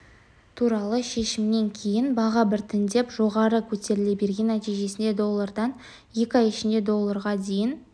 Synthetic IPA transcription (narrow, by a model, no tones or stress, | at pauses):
t̪ʰuɾɑlˠəʃe̞ʃɪmne̞ŋkʲʰe̞jɪnbɑʁɑbɪɾt̪ʰɪnd̪e̞pʒo̞ʁɑɾəkʲʰɵt̪e̞ɾɪle̞be̞ɾɡʲe̞nːæt̪ijʒe̞sɪnd̪e̞d̪o̞lˠːaɾd̪ɑn | je̞kʲɑjɪʃɪnd̪e̞d̪o̞lˠːɑɾʁɑd̪e̞jɪn